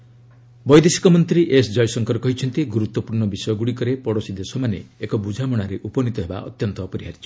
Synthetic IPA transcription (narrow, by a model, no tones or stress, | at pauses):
bɔjd̪esi̥kɔmɔnt̪ɾiʔesd͡ʒɔjsɔŋkɔɾɔkɔɦit͡ʃʰɔnt̪iɡuɾut̪wɔpuɾɳɔbisɔjɔɡuɽikɔɾepɔɽosid̪esɔmanḛekɔbud͡ʒʱamɔɽ̃aɾeʔupɔnit̪ɔɦeba̰ʔɔ̰t̪jɔnt̪ɔːpɔɾiɦaɾit͡ʃʰɔ̥